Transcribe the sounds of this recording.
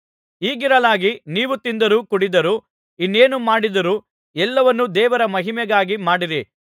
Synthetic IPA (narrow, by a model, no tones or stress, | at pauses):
iːɡiɾɐlaːɡiniːʋut̪ind̪ɐɾuːkuɽid̪ɐɾu | inːeːnumaːɽid̪ɐɾu | ɛlːɐʋɐnːud̪ɛːʋɐɾɐmɐɦimɛɡaːɡimaːɽiɾi